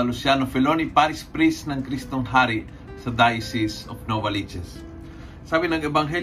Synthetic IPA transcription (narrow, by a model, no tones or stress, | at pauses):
ɐlusjanofɛlonipaɾɪspɾisnɐŋkɾist̪oŋɦaɾi | sɐd̪ajsisofnovɐlid͡ʒɛs | saːbɪnɐŋɛbɐŋɦɛ